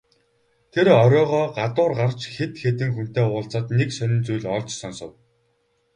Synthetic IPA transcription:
t̪ʰeɾɔɾʲɔːʁɔːɢat̪ʊːrɢart͡ɕxet̪xet̪ɘ̆ŋxun̥t̪eːʊːɮt͡saːt̪neksœnʲɪ̆nt͡sujɮɔɮt͡ɕsɔnsɞ̆w

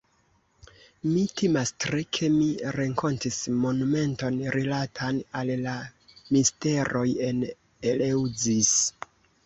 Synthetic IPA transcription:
mitʰimastɾekʰe̞miɾeŋko̞ntismo̞nume̞nto̞nɾilatʰanallamiste̞ɾʔo̞je̞n | elewzis

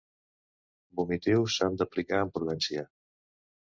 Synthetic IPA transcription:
bumit̪iwsand̪əplikaəmpɾuðɛnsia

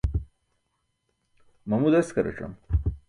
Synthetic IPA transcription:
mɐmud̪eskɐɾɐ̰ʈ͡ʂɐ̰m

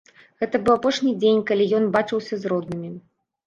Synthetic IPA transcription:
ɣɛt̪ɐbɨwapɔʂnʲid͡zʲenʲkalʲijɔnbat͡ʂɨwsʲɐzɾɔd̪̚nɨmʲi

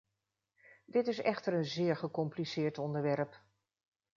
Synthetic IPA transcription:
dɪtɪsɛχtəɹənzɪːɹχəkɔmplisɪːɹtɔndəɹʋɛɹp

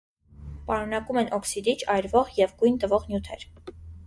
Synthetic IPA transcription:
pɑɾunɑkumɛnʔɔksid̪it͡ʃʰɑjɾvɔʁjɛvɡujnt̪əvɔʁnjut̪ʰɛ̰ɾ

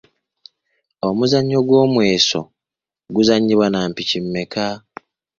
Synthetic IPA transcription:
o̞muzaɲːo̞ɡwo̞ːmwe̞ːso̞̰ | ɡuzaɲːiβwanaːmpicimːe̞ka

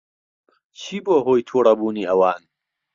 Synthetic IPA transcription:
t͡ɕʰiːboːɦoːjt̪ʰuːɾɐbuːniːʔɐwaːn

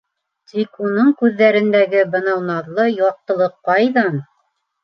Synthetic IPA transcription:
t̪ikunɤɴkʉðːæɾɘ̆nd̪æɡɘbɤ̆nɑwnɑðlˠɤjɑq̚t̪ɤ̆lˠɤqːɑjðɑn

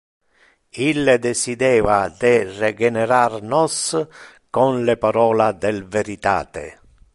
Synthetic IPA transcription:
ilːed̪ɛsid̪ɛːvad̪ɪrɛɡɛnɛɾarnɔs | kɔnlepaɾɔːlad̪ɛlveɾit̪a̰ːt̪ḛ

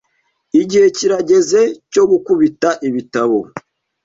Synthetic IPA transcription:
iɟihe̞ciɾaɟe̞ze̞co̞ɡukuβitaʔiβitaβo̞

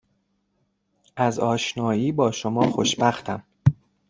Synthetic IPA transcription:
ʔæzɒːʃnɒːjiːbɒːʃomɒːxoʃbæxt̪ʰæm

